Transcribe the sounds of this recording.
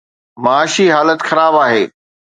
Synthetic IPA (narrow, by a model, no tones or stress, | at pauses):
maaːʃiɦaːlət̪xɐɾaːbaːɦeː